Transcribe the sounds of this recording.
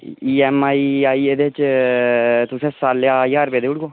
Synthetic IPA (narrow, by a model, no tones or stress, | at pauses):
iːɛmaːiaːied̪et͡ʃ | t̪ʊsẽsaːljaiaːɾpeːd̪euɽɡoː